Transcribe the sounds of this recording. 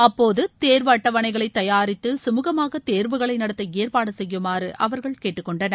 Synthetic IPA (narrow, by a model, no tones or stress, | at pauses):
ɐpːoːðɯt̪eːɾʋɐːʈːɐʋɐɳɐɪɣɐɭɐɪt̪ːɐjaːɾɪt̪ːɯsʊmuːɣɐmaːɣɐt̪eːɾʋɯɣɐɭɐɪnɐɽɐt̪ːɐeːɾpaːɽɐsɛjːɯmaːɾɯʔɐʋɐɾɣɐɭkeːʈːɯkːɔɳɖɐnɐ